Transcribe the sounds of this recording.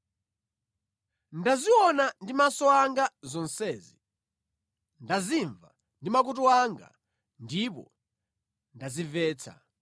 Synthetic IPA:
ndaziɔnandimasɔaŋɡazɔnsɛːzi | ndaziɱva | ndimakut̬uwaŋɡa̰ | ndipɔ̰ | ndazivɛːt͡sʰa̰

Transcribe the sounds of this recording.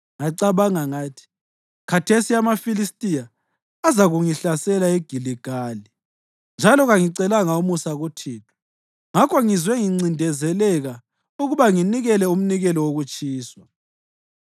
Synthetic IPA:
ŋaǀaβaŋaŋaːtʰi̥ | kʰatʰesiamafilistʼija | azaɣuŋiɬasɛlaɛɡ̥ʱiliɡ̥ʱali | nd͡ʒʱalɔɣaŋiǀɛlaŋaumusaɣutʰiːtʰu̥ | ŋakʰɔŋizwɛŋiŋ͡ǀindʱɛzɛlɛɣa | uɣuβaŋiniɣɛlɛum̩niɣɛlɔwoɣut͡ʃʼiːswa

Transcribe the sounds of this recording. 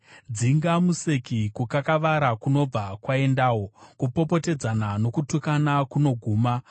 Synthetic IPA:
d͡ziŋɡamuse̞kikukakaʋaɾakuno̞b͡vakwae̞ndaːwo̞kupo̞po̞te̞d͡zanano̞kutukanakuno̞ɡʱuːma

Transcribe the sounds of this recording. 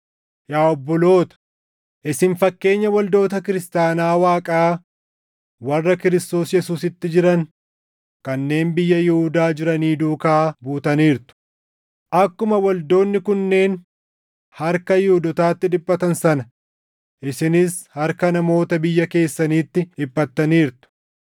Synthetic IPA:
jaːɔbːɔlo̞ːt̪ɐ̥ | ʔɪsɪnfɐkːe̞ːɲːɐwɐld̪o̞ːt̪ɐkɪɾɪst̪aːnaːwaːkʼaː | wɐrːɐkɪɾɪst̪o̞ːsjɛsuːsɪt̪ːɪd͡ʒɪɾɐn | kɐnːe̞ːnbɪjːɐjɪhʊd̪aːd͡ʒɪɾɐniːd̪uːkaːbuːt̪ɐniːɾt̪ʊ̥ | ʔɐkːʊmɐwɐld̪o̞ːnːɪkʊnːe̞ːn | hɐɾkɐjɪhʊd̪ɔt̪aːt̪ːɪᶑɪpʼːɐt̪ɐnsɐnɐ | ʔɪsɪnɪshɐɾkɐnɐmo̞ːt̪ɐbɪjːɐke̞ːsːɐniːt̪ːɪɪpːɐt̪ːɐniːɾt̪ʊ̥

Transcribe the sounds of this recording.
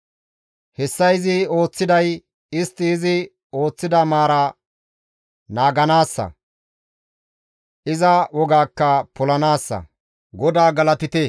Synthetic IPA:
hɛsːɐjɪzɪo̞ːt͡sːɪd̪ɐj | ɪst̪ːɪːzɪ | o̞ːt͡sːɪd̪ɐmaːɾɐ | naːɡɐnaːsːɐ̰ | ʔɪzɐwɔɡaːkːɐpɔlɐnaːsːɐ̰ | ɡɔd̪aːɡɐlɐt̪ɪt̪e

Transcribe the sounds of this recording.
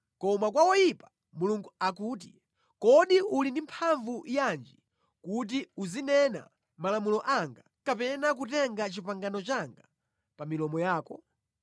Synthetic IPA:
kɔmakwawɔjipḁ | muluŋɡuakuːt̬i | kɔɗiulindimpʰaɱvujand͡ʒi | kut̬iuzinɛna̰ | malamulɔʔaŋɡa | kapɛnak̬utɛŋɡat͡ʃipaŋɡanɔt͡ʃaŋɡa | pamilɔmɔjaːkɔ

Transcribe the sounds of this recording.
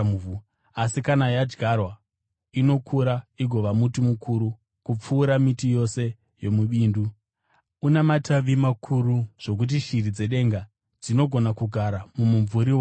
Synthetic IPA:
uu | asikanajad͡ʒɡʱarwa | ino̞kʰuɾaiɡʱo̞ʋamutimukʰuɾu | kup͡fuːɾamitijo̞se̞ | jo̞muɓiːndu | unamatʰaʋimakʰuɾuʐ̥o̞k̬ut̬iʃirid͡ze̞ɗe̞ŋɡa | d͡zino̞ɡʱo̞nakuɡʱaɾamumuɱvuɾiw

